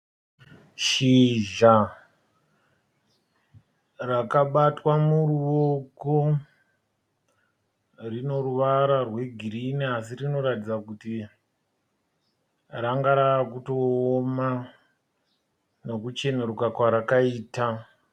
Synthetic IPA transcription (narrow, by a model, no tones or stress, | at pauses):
ʃiʒa | rakaɓatwamuruʋoko̞ | rino̞ɾuʋaɾarwe̞ɡʱiɾiniasirino̞ɾatid͡zakuti | raŋɡaɾaːkuto̞ːma | no̞kut͡ʃe̞neɾukakwaɾakaiːta